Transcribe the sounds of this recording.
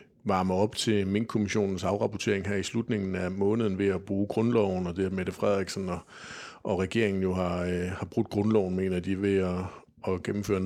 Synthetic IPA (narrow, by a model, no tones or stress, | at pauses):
ʋɑ̈ːməɒ̽b̥t͡sʰe̝me̝n̰̥̚kʰo̝miɕo̝̰ːnn̩sɑ̈ʊʁɑ̈pʰot͡sʰe̝̰ɐeŋɦæɐ̰islud̥ne̝ŋn̩æmɔ̽ːnð̩ˠn̩ʋe̝æb̥ʁuːɡ̥ʁɔ̽nlɒʊn̩ɒ̽d̥e̝æɐmeɾ̥əfʁɛð̰ˠiɡ̥snɒ | ʔɒ̽ʁɛɡ̥e̝ɐeŋn̩jo̝ɦɑ̈hɑ̈b̥ʁud̥̚ɡ̥ʁɔ̽nlɒʊn̩me̝̰ːnɐd̥iʋe̝ɒ̽ː | ɡ̥emm̩fø̰ːɐn